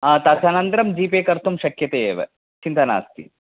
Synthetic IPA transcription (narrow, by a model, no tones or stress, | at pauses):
ɐːt̪ɐsɐnɐnt̪ɾɐmd͡ʒiːpeːkɐɾt̪ʰumʃɐkjɐt̪eːeːʋḛ | t͡ʃint̪ɐna̰ːst̪ḭ